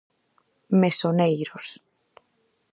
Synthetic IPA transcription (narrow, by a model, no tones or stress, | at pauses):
mesonejɾos